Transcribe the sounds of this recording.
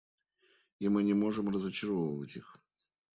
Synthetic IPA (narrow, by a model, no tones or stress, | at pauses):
imɨnʲɪmo̞ʐɨmrəzət͡ɕɪɾovəvətʲix